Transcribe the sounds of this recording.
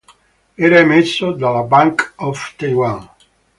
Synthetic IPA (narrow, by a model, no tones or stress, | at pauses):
ɛɾaemesːod̪alabaŋkɔft̪ajwãn